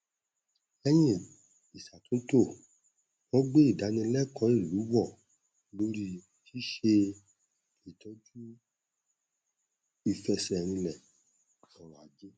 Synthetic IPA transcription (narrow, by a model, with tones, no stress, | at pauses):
ɛ˧j̃ĩ˦˨ | i˨sa˨tũ˦to˦˨ | wɔ̃˦ɡ͡be˦i˦˨da˨˦nĩ˧˦lɛ˦˨kɔ̃˨˦i˦˨lu˨˦wɔ˦˨ | lo˦ɾi˦ | ti˦ʃe˧ | i˨tʰɔ˨˦d͡ʒu˦ | i˨fɛ˧sɛ˨ɾ̃ĩ˧lɛ˨ | kɔ̃˨ɾa˨d͡ʒi˦